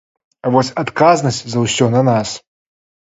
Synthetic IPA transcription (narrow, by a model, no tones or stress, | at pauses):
vosʲɐt̪kaznɐsʲtʲzɐwsʲɔnɐnas